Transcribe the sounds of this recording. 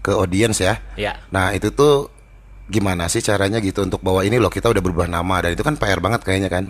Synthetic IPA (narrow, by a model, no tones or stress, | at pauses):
kəodiɛnsjajnahit̪ut̪u | ɡimanasɪht͡ʃaɾaɲaɡit̪uːnt̪ʊk̚bawainilɔhkit̪audahbəɾubahnamadanit̪ukanpaɛrbaŋət̪̚kajaɲakan